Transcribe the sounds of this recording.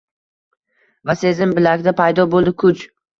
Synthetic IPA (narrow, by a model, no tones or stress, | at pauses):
vase̞zɪmbɪlakʲd̪apʰajd̪ɒbolˠd̪ɪkʰʊt͡ʃ